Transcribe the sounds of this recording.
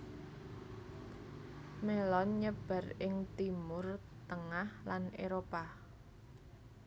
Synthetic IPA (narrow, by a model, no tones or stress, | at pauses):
melɔnɲəb̥a̤rɪŋt̪imʊr | t̪əŋahlanʔeɾopa